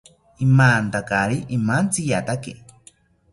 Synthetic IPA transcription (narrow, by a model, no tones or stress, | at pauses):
imaːnt̪akaɾiʔimant͡sijat̪ake